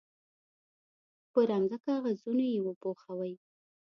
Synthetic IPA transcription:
pəɾamzakɑɣazunojewəpoxawəj

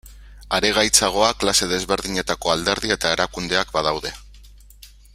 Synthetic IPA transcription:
aɾe̞ɣ̞ajt͡saɣ̞o̞aklase̞ð̞e̞zβe̞ɾðiɲe̞t̪ako̞ald̪e̞ɾðie̞t̪aeɾakund̪e̞akbaðawðe̞

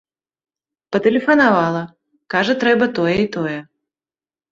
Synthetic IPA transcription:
pɐt̪ɛlʲɪfɐnavalˠɐ | kaʐɐt̪ɾɛbɐt̪ɔjɛit̪ɔjɛ

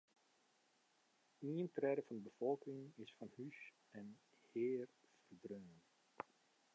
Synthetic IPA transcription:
iəntrɛdəfɑndəbəfɔlˠkɪŋɪsfɑnhys | ɛn | heːr | fərdrøːn

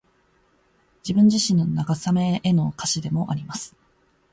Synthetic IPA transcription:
d͡ʑibɯ̟̃ɲ̟d͡ʑiɕĩnonaɡasame̞ʔeno̞kaɕid̪e̞mo̞ʔaɾʲimasɨ̥

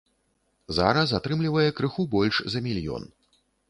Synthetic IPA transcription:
za̰ɾɐsat̪ɾɨmlʲivɐjɛkɾɨxubɔlʲʂzɐmʲilʲjɔ̰n

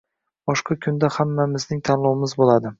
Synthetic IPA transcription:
b̥ɒʃqʰɑkʰʊnd̪ahamːamɪznɪŋt̪ʰanlˠɒwɪmɪzbolˠad̪ɪ

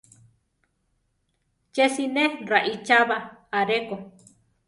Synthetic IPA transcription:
t͡ʃesineraʔit͡ʃaβaaɾeko

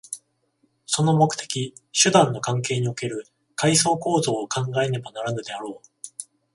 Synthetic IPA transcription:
so̞no̞mo̞kɯ̥t̪ʰe̞̥kʲiɕɨd̪ãnːo̞kãŋk̬e̞ːɲ̟io̞ke̞ɾɯ̟ | kais̬o̞ːko̞ːzo̞ːkãŋɡae̞ne̞banaɾanɯ̟d̪e̞aɾo̞ː

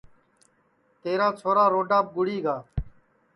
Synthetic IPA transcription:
t̪eːɾaːt͡sʰoːɾaːɾoːɖaːp̚ɡʊɽiːɡaː

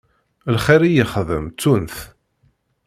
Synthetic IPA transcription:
lχiɾijəχðə̰mt͡sːunθ

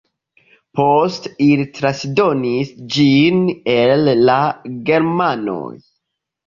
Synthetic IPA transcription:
postilitɾasdo̞nisd͡ʒine̞lːaɡe̞ɾmano̰j

